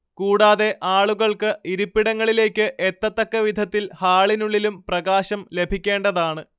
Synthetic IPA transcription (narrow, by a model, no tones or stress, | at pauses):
kuːɽaːðe̞ʔaːɭuɣɐɭkɨiɾupːiɽɐŋːɐɭile̞ːkʲːɨʔet̪ːɐt̪ːɐkːɐʋid̪ʱɐt̪ːilhaːɭinuɭːilumprɐɣaːɕɐmle̞bʱikʲːe̞ːɳɖɐðaːɳɨ